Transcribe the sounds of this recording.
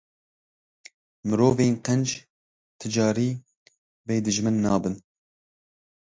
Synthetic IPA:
mɨɾoːveːnqɛnd͡ʒ | t̪ʰɨd͡ʒɑːɾiː | bɛjd̪ɨʒmɨnːɑːbɨn

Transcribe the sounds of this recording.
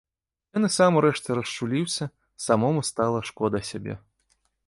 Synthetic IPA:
jɔnɨsamɾɛʂt̪ɨɾɐst͡ʂulʲiwsʲɐ | samɔmust̪alˠɐʂkɔd̪ɐsʲabʲɛ̰

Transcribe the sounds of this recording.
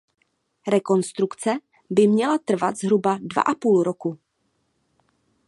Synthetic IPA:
ɾɛko̞nst̪ɾukt͡sɛ | bɪmɲɛlat̪r̩vat̪zɦɾubadva̰ʔapuːlɾoku

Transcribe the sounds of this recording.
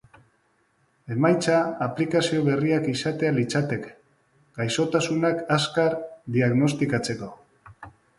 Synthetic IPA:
e̞majt͡saːplikasio̞β̞e̞riakisat̪e̞alit͡sat̪e̞k | ɡ̥ajso̞t̪asunakaskaɾd̪iaɣno̞st̪ikat͡se̞ko̞

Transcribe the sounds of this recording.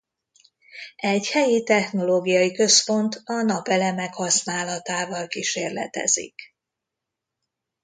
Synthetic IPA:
ɛɟhɛjit̪ɛxno̞loːɡijɒjikø̞spo̞nt̪ɒnɒpɛlɛmɛkhɒsnaːlɒt̪aːvɒlkiʃeːrlɛ̰t̪ɛ̰zḭk

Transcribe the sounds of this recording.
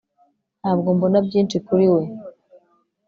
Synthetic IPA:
nhaːbɡombonabɟiːnt͡ʃikuɾiwe̞

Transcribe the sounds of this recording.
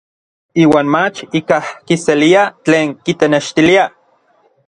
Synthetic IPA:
iːwaːnmat͡ʃikahkiseliat͡ɬeːŋkit̪eneʃt̪ilia

